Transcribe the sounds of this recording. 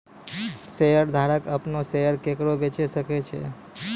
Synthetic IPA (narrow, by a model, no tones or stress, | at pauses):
sejəɾd̪ʱaɾəkəpnosejəɾkekɾobet͡ʃesəkɛt͡ʃʰɛ̰